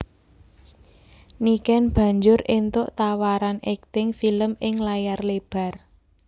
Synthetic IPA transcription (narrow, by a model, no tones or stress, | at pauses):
nikɛnb̥ä̤ɲd͡ʒʊɾʔent̪ʊʔt̪awaɾanɛk̚t̪ɪŋfiləmɪŋlajarleb̥a̤r